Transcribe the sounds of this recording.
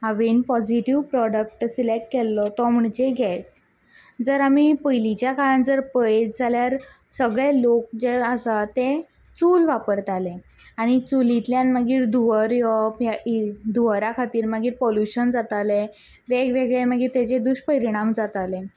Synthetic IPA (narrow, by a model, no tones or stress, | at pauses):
aʋinpɔd͡ʑiʈiʋpɾɔɽək̚ʈsilekʈkɛlːɔt̪ɔm̤uɳt͡ɕeɡɛs | d͡zəɾamipəjlit͡ɕjakaɭand͡zəɾpəjd͡zʱaljaɾ | səɡɭelok̚d͡ʑeəsat̪e | t͡sulʋapəɾt̪ale | aɽ̃it͡sulit̪ljanməɡiːɾd̪uʋəɾjɔpjad̪uʋɾakʰat̪iːɾməɡiːɾpɔljuɕənd͡zat̪ale | ʋeɡʋeɡɭeməɡiːɾt̪at͡ɕed̪uɕpəɾiɽ̃amd͡zat̪ale